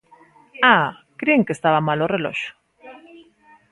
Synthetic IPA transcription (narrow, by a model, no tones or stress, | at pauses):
akɾeeŋkest̪aβamalorelo̰ʃo̥